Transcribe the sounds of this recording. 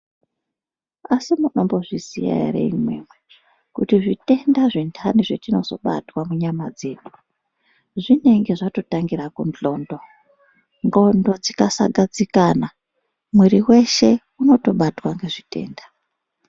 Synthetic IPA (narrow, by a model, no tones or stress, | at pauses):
asimuno̞mbo̞ʐisḭja̰rḛḭmwe̞̰ːmwe | kutiʐite̞ndaʐintʰaniʐetino̞z̥o̞̰ɓa̰twamuɲamad͡ze̞ːɗu̥ | ʐine̞ŋɡe̞ʐato̞taŋɡirakunt͡ɬo̞ːndo̞ | ŋɡo̞ndo̞d͡zikasa̰ɡad͡zikana | mweɾiwe̞ʃe̞ | uno̞to̞ɓatwaŋɡe̞ʐite̞̰ːndḁ